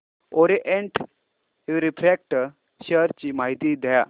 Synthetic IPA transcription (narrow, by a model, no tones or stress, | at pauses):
oɾeʔeɳʈ | iʋɾipɾek̚ʈ | ɕəɾt͡ɕiːmaɦit̪id̪ʱəja